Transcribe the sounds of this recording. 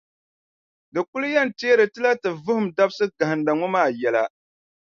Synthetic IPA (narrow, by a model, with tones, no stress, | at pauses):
dɨ˨ku˦lu˦jɛ˦n˨teː˦ɾɨ˨tɨ˦la˦tɨ˨vʊ˦hʊ˨mda˦bsɨ˦ɡa˨hɨ˨nda˨ŋɔ˦maː˦˨jɛ˨˦la˦